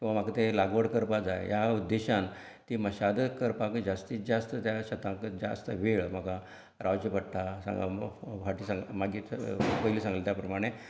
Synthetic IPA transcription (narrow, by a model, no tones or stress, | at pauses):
kĩw̃ʋam̤akat̪elaɡʋəɽkəɾpad͡zaj̰jaud̪ːeɕãn | t̪iməɕad̪əkəɾpãkəd͡zast̪iːt͡sd͡zast̪ət̪jaɕət̪ãkəd͡zast̪əʋeɭm̤əka | ɾʔaʋd͡ʑəpəɽʈ̪asa̰faʈiːsaŋɡmaɡiːpəɦilisãŋɡlet̪japɾəmaɽ̃e